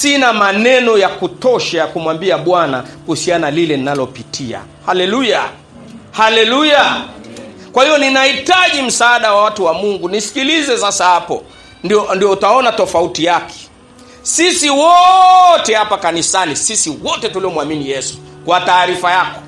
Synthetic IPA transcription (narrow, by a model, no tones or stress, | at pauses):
sinamanɛnɔjakutɔʃajakumwambiaɓwanakuhusianalilɛninalɔpitʰia̰ | halɛluja | halɛluja | kwahivɔninahitaʄim̩saːɗawawatuwamuŋɡunisi̥kilizɛsasahapɔ̰ | ndiɔndijɔutaɔnatɔfautijakʰɛ̥ | sisiwɔtɛhapakanisanisisiwɔtɛtuliɔmwaminijɛsu̥kwataːɾifajakɔ̥